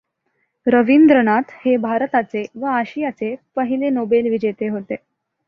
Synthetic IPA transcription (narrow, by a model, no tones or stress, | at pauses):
ɾəʋind̪ɾənat̪hebʱaɾt̪at͡seʋəaɕijat͡sepəɦilenobelʋid͡ʑet̪eɦot̪e